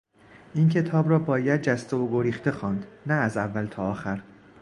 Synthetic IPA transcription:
ʔincʰe̞t̪ʰɒːbɾɒːbɒːjæd̪̚d͡ʒæst̪eoɡoɾiːxt̪e̞xɒːnd̪næːzævːælt̪ʰɒːxæɾ

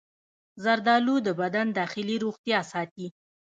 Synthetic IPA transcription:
zaɾd̪ɑlud̪əbad̪and̪ɑxɪliɾoɣt̪jɑsɑt̪i

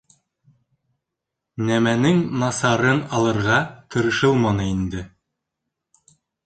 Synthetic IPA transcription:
næmænɘŋnɑsɑɾɤnɑlˠɤ̆ɾʁɑt̪ʰɤ̆ɾɤ̆ʃɤlˠmɑnɤind̪ɘ

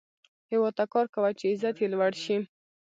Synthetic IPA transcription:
hɪwɑd̪̚t̪akɑɾkawat͡ʃeɪzat̪jelwaɽʃi

